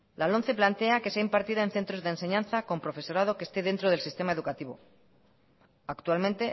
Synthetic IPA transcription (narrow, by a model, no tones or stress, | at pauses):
lalo̞nθe̞plant̪e̞akeseaimpaɾt̪iðae̞nθe̞nt̪ɾo̞zðense̞ɲãnθako̞mpɾo̞fe̞so̞ɾað̞o̞ke̞st̪e̞ðe̞nt̪ɾoð̞e̞lsist̪e̞maeðukat̪iβ̞o̞̰ | akt̪ualmẽ̞nt̪e̞